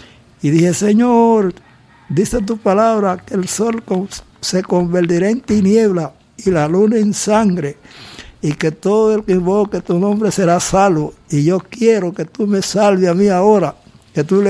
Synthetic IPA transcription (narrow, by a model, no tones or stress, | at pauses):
iðiheseɲoɾ | d̪iset̪̬upalaβɾakelso̞lko | sekombelt̪iɾaent̪inje̞βla | ilalunaensaŋɡɾe | iket̪oðoelkeimboket̪unõmbɾeseɾasalβoiʝokjeɾoket̪umesalβeamiaoɾa | ket̪ule